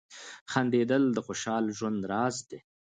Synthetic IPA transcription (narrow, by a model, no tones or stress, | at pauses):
xand̪ed̪əld̪əxoʃɑlʒwand̪ɾɑːzd̪e